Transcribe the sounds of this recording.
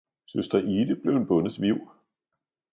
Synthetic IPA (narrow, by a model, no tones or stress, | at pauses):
søsd̥ʁɐʔiːd̥əb̥le̝ʊenb̥ɔ̽nð̩ˠʋiʊ̰